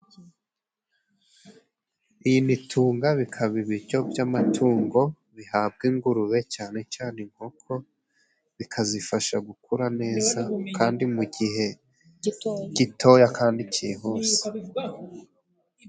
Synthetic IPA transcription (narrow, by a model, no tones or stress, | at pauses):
ijinitʰuːŋɡaβikʰaβiβiɾɟo̞bjamatʰuːŋɡo̞ | βihaːb̚ɡiŋɡuɾuɾe̞t͡ʃaːne̞t͡ʃaːne̞ŋ̥hokʰo̞ | βikʰazifaʃaɡukuɾane̞ːzakʰaːndimuɡiɦe̞ | ɟ̥itʰo̞jakʰaːndicʰiɦoːse̥